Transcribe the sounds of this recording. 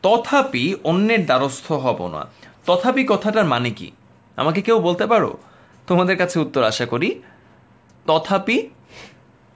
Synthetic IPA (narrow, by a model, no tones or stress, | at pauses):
t̪ɔt̪ʰapionːeɾd̪aɾost̪ʰoɦɔbo̰na̰t̪ɔt̪ʰapikɔt̪ʰaʈaɾmanekḭ | a̰makekewbolt̪epaɾo̰ | t̪omad̪eɾkat͡ɕʰeut̪ːoɾaʃakoɾi | t̪ɔt̪ʰapi